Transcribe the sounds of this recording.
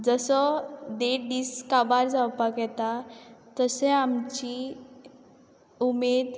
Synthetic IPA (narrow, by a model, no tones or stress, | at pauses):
d͡zəsɔd̪eɖiskabaɾd͡zawpakɛt̪at̪əseamt͡ɕi | umed̪